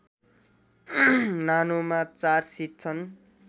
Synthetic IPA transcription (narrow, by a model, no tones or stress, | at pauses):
nanomat͡sarsit̪̚t͡sʰʌn